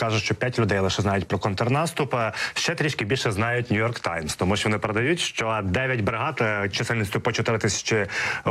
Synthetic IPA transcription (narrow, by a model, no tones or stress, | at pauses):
kɑʒʊʃt͡ʃɔpʲjatʲlʲʊd̪ɛjlˠeɪʃɛznɑjʊtʲpɾɔkɔnt̪ɔrnɑst̪ʊpʃt͡ʃɛt̪ɾʲiʃʲkɪbʲilʲʃɛznɑjʊtʲnʲʊjɔrkt̪ɑjmst̪ɔmuʃt͡ʃɔʋɔnɪpeɾed̪ɐjutʲʃt͡ʃɔd̪ɛʋʲjɐtʲbɾɪɦɑt̪t͡ʃɐsɛlʲnʲɪt͡s̪ʲjʊpɔt͡ʃɛt̪ɪɾɪt̪ɪsʲɐ̥t͡ʃɪ